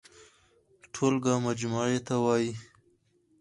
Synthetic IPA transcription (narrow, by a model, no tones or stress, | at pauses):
ʈʰolɡɑmad͡ʒmuʕet̪awɑji